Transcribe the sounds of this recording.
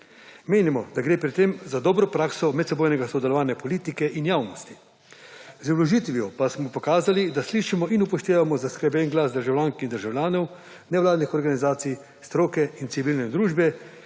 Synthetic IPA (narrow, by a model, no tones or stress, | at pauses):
meːnimɔd̪aɡɾeːpɾɛt̪ːemzad̪ɔːbɾɔpɾaːksɔmɛt̪sɛboːjnɛɡasɔd̪ɛlɔʋaːnjɛpɔliːt̪ikɛʔinjaːwnɔst̪i | zwlɔʒit̪ʋijɔpasmɔpɔkaːzalid̪asliʃimɔʔinupɔʃt̪eːʋamɔzaskɾɛbjɛnɡlasd̪əɾʒawlʲjaːŋkind̪əɾʒawlʲjaːnɔw | nɛwlaːd̪nixɔɾɡanizaːt̪sij | st̪ɾoːkɛint̪siʋilnɛd̪ɾuːʒbɛ